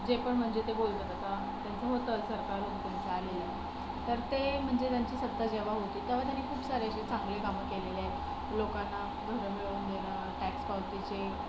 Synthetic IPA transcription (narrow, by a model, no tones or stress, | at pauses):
d͡ʑepəɳm̤əɳd͡zet̪ebolt̪ət̪at̪a | t̪jant͡səɦot̪əsəɾkaɾuːnt̪jant͡səːlelə | t̪əɾt̪em̤əɳd͡zet̪jaɲt͡ɕiːsəd̪ːad͡ʑeʋ̤aɦot̪iːt̪eʋ̤at̪janːikʰuːpsaɾeəɕet͡sãŋɡlekaməkelelje | lokanːa | ɡʱəɾəmiɭuːnɡ̪ʱelə | ʈækspawʈ̪it͡ɕe